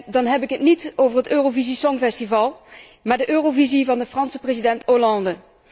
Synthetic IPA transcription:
dɑnɦɛbɪkɦətnitowvəɹɦətøːrovizisɔŋvɛstivɑlˠ | maːɹdəʔøːrovizivɑndəfrɑnsə̥prezidɛntolɑndə

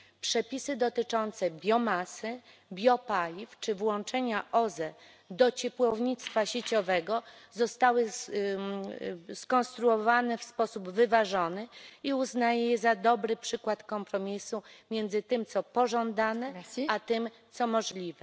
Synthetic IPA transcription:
pʂɛpʲisɘd̪ɔt̪ɘt͡ʂɔnt̪sɛbʲjɔmasɘ | bʲjɔpalʲift͡ʂɘvwɔ̃nt͡ʂɛɲaʔɔzɛ | d̪ɔt͡ɕɛpwɔvɲit̪st̪faɕet͡ɕɔvɛɡɔzɔst̪awɘ | skɔnst̪ɾuɔvanɛfspɔsubvɘvaʐɔnɘiuznajɛjɛzad̪ɔbɾɘpʂɘkwat̪kɔmpɾɔmʲisumʲjɛnd̪zɘt̪ɘmt̪sɔpɔʐɔnd̪anɛat̪ɘm | t̪sɔmɔʐlʲivɛ

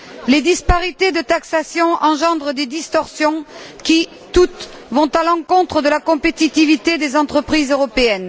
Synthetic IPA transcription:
led̪ispaʁit̪ed̪ət̪aksasjɔ̃ʔɑ̃ʒɑ̃d̪ʁəd̪ed̪ist̪ɔʁsjɔ̃kʲi | t̪ut̪ | vɔ̃t̪alɑ̃kɔ̃t̪χəd̪əlakɔ̃pet̪it̪ivit̪ed̪ezɑ̃t̪χəpχizøʁɔpeɛn

